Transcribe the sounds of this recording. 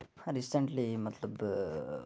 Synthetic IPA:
ɾisə̃ɳʈlimɐt̪ləb

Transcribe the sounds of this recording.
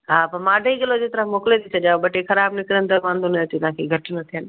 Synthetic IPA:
ɦaːpɐmaːɖʱəiɡɐlod͡ʑeːt̪əɾãmoːklet̪ʰit͡ɕʰɐɗjãbɐʈekɐɾaːbnɪkɾənd̪ɐmãːnd̪onɐt̪it̪ʊ̃ɦãːkʰeːɡʱɐʈnɐt̪ʰijən

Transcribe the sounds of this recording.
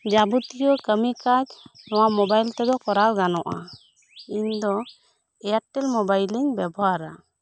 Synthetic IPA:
d͡ʒabut̪ijɔkəmikad͡ʒnɔwamɔbajlt̪ɛd̪ɔkɔɾalɡanɔʔa̰ | iɲd̪ɔ | ɛjaʈɛlmɔbajliɲbɛbɔɦaɾa̰

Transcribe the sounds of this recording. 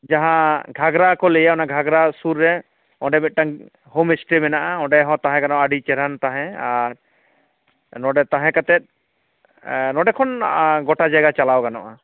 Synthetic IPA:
d͡ʒaɦãɡʱaɡɾakɔlɛjaɔnaɡʱaɡɾasuɾːɛ | ɔ̃ɖɛmɛt̪̚ʈaŋ | ɦomisʈɾimɛnaʔaɔ̃ɖɛɦɔ̃t̪aɦɛ̃ɡanɔʔaɖit͡ʃɛɾant̪aɦɛ̃aɾ | nɔɖɛt̪aɦɛ̃kat̪ɛt̪̚ˀ | nɔɖɛkʰɔnɡɔʈad͡ʒajɡat͡ʃalawɡanɔ̰ʔa

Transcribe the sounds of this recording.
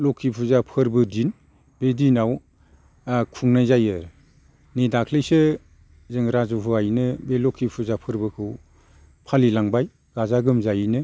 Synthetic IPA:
lokʰipʰuzapʰɯɾbɯdin | b̥edinaw | kʰuŋnajzajɯɾ | nidakʰlɯjsɯ | zɯŋɾazuɦuajnɯbelɔkʰipʰuzapʰɯɾbɯkʰɯw | pʰalilaŋbaj | ɡazaɡɯmzajnɯ

